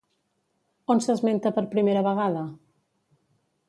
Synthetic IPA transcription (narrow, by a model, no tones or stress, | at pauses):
onsəzment̪əpəɾpɾimeɾəβəɣ̞aðə